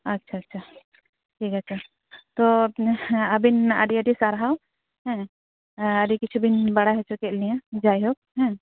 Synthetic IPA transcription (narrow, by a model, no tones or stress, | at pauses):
ɐtːʃʰaːtːʃʰa | ʈʰiːkəːʃʰa | t̪ɔ | əbina̰ɖiəɖisaɾɦaw | ɦɛ̃ | əɖikit͡ʃʰubinbəɽaɦɛt͡ʃʰɔkɛlijãd͡ʒajɦok̚ɦɛ̃